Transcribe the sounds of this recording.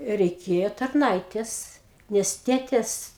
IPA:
rʲɛɪˈkʲeːjoː tɐrˈnɐɪtʲeːs ˈnʲɛs ˈtʲeːtʲeːs

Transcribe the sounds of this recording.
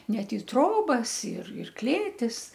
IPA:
ˈnʲɛt ɪ ˈtroːbɐs ɪr ɪr ˈklʲeːtʲɪs

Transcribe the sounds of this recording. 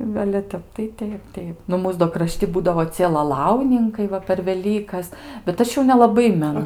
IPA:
nʊ ɐlʲɛ ˈtʲɛp tɐɪ ˈtʲɛɪp ˈtʲɛɪp ˈnʊ ˈmuːs doː krɐˈʃʲtʲɪ ˈbuːdɐʋoː ˈt͡sʲiɛ lˠɐˈlˠɐʊnʲɪŋkɐɪ ˈʋɐ pʲɛr ʋʲɛˈlʲiːkɐs bʲɛt ˈɐʃ jɛʊ nʲɛlˠɐˈbɐɪ mʲɛˈnʊ

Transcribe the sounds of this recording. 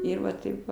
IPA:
ˈɪr ʋɐ ˈtɐɪp ʋɐ

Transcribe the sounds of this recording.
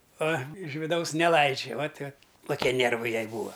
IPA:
ɐ ɪʃ ʋʲɪˈdɐʊs nʲɛˈlˠɐɪd͡ʒʲɛ ʋɐt ʋɐt koːˈkʲiɛ ˈnʲeːrʋɐɪ ˈjɛɪ ˈbuːʋɐ

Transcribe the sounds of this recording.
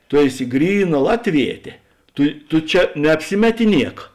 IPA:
ˈtʊ ˈæːˌsʲɪ ˈɡrʲiːˌnɐ ˈlˠɑːtʲˌʋʲiɛtʲeː ˈtʊ tʊ ˈt͡ʃʲɛ nʲɛɐpʲˈsʲɪmʲɛtʲɪˌnʲiɛk

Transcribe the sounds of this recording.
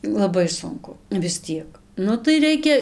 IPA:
lˠɐˈbɐɪ ˈsʊŋkʊ ʋʲɪs ˈtʲiɛk ˈnʊ tɐɪ ˈrʲɛɪkʲɛ

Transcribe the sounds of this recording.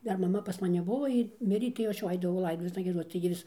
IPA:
ˈdɐr mɐˈmɐ pɐs mɐˈnʲɪ ˈbʊʋoː ˈjiː ˈmʲɪrʲeː tɐɪ jɛʊ ˈɐʃ jɛʊ ˈɐɪdɐʋɐʊ ˈlˠɐɪdoːtʊʋʲeːsnɐ ɡʲiɛˈdoːt͡s tɐɪ ɡʲɪ ˈʋʲɪs

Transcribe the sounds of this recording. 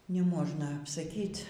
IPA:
nʲɛˈmoːʒnɐ ɐpsɐˈkʲiːtʲ

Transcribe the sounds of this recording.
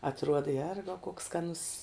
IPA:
ɐtˈruɔdɐ ˈjɛrɡɐʊ koːks skɐˈnʊs

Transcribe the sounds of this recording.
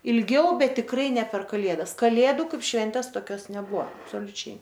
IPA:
ɪlʲˈɡʲɛʊ ˈbʲɛt tʲɪkˈrɐɪ nʲɛ pʲɛr kɐˈlʲeːdɐs kɐˈlʲeːdʊ ˈkɐɪp ˈʃʲʋʲɛnʲtʲeːs toːˈkʲoːs nʲɛˈbuɔ ɐpsoːlʲʊˈt͡ʃʲɛɪ

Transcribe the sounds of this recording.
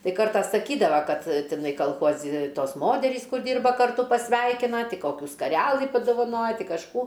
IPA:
ˈtɐɪ ˈkɐrtɑː sɐˈkʲiːdɐʋɐ ˈkɐt tʲɪˈnɐɪ kɐlˠˈxuɔzʲɪ ˈtoːs ˈmoːtʲɛrʲiːs ˈkʊr ˈdʲiːrbɐ kɐrˈtʊ pɐsʲˈʋʲɛɪkʲɪnɐ ˈtʲɪ ˈkoːkʲuː skɐrʲɛlˠɨ pɐdoːʋɐˈnoːjɛ ˈtʲɪ kɐʃˈkuː

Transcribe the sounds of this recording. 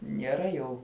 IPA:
nʲiɛˈrɐ jɛʊ

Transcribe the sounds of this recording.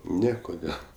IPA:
ˈnʲɛ ˈkoːdʲeːlˠ

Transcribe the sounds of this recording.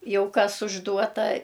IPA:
ˈjɛʊ ˈkɐs ʊʒˈduɔtɐ

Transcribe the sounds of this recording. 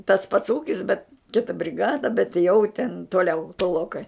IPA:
tɐs pɐts ˈuːkʲɪs bʲɛt ˈkʲɪtɐ bʲrʲɪˈɡɑːdɐ bʲɛt jɛʊ tʲɛn toːˈlʲɛʊ toːˈlˠoːkɐɪ

